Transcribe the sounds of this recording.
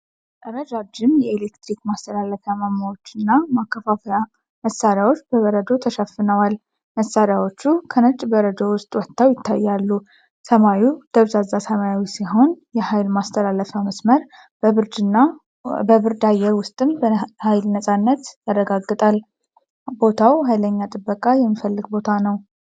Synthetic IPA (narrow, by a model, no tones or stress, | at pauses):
ʔʼəɾəd͡ʒad͡ʒɪmjɛelekt̪ɾikmast̪ʰəlalːəfəjamamːawo̞t͡ʃːɨnːamakːəfafəja | məsːaɾjawo̞t͡ʃːbəβəɾəd̪o̞t̪ʰəʃəfːɨnəwal | məsaɾjawo̞t͡ʃːukʰənət͡ʃʼbəɾəd̪o̞wʊst̪ʼwɔt̪ʰːawjɪt̪ʰːajːalːu | səmajud̪̥əβzazːasəmajawisiɦo̞njɛhajlmast̪ʰəlalːəfəməsməɾ | bəβɨɾd̪na | bəβɨɾd̪ajːɛɾwʊst̪ʼɨmbhajlnəsʼanːət̪jarːəɡaɡːɨt̪ʼal | bo̞t̪ʰawhajləɲːat̪ʼɨbːəkʼajɛmːifəlːɨɡbo̞t̪ʰanəw